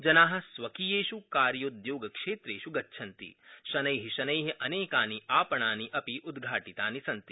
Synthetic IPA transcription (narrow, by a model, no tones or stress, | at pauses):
d͡ʒɐnaːɦɐ̆sʋɐkijeːʃukaːɾjɐd̪joːɡɐkʂeːt̪ɾeːʃuɡɐːʃʰɐnt̪ḭʃɐnɐjɦiʃɐnɐjɦiʔɐneːkaːniʔaːpɐɳaːniʔɐpiʔud̪ɡʱaːʈit̪aːnisɐnt̪i